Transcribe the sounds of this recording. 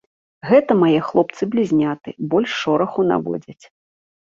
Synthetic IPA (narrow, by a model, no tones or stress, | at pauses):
ɣɛt̪ɐmajɛxlˠɔp̚t̪sɨblʲizʲnʲat̪ɨbɔlʲʂːɔɾɐxuna̰vɔ̰d͡zʲɐt͡sʲ